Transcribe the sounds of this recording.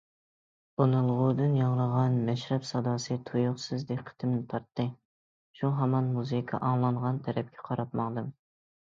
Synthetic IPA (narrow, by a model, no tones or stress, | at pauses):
onɨlˠʁʊd̪ɨnjɑŋlˠəʁɑnmɛʃɾɛpsɑd̪ɑːsɨt̪ʰujʊχsɨzd̪eqʰːə̥t̪ʰɨmnɪt̪ʰɑɾt̪ːɨ | ʃuɦɑmɑnmuzɨkʰɑ̰ʔɑŋlˠɑɴʁɑnt̪ʰɛɾɛp̚kʲʰɛqʰɑɾɑp̪mɑŋd̪ɨm